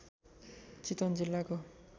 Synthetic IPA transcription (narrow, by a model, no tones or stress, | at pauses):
t͡sit̪ʌnd͡zilːako